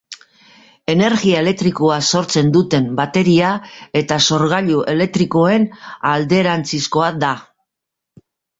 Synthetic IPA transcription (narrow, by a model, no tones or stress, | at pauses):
e̞ne̞ɾɣiae̞le̞k̚t̪ɾiko̞aso̞ɾt͡se̞nd̪ut̪e̞mbat̪e̞ɾiae̞t̪aso̞ɾɣ̞aʎuʔe̞le̞k̚t̪ɾiko̞e̞nald̪e̞ɾant͡sisko̞ad̪a